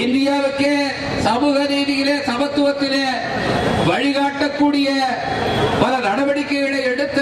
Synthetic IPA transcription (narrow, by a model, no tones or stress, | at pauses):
ɪnd̪ɪjaːʋɯkːeː | sɐmuːɣɐðɛːðɪɣɪleːsɐmɐt̪ːʊʋɐt̪ːɪleː | ʋɐɻɪɣaːʈːɐkːuːɽɪjɐ | pɐlɐnɐɽɐbɐɽɪkːɐɣɪɭeːɛɽɯt̪ːɯ